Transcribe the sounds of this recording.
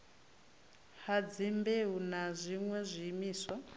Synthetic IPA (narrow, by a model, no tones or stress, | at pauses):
had͡zimbeɦunazʷiŋwɛzʷiːmiːswa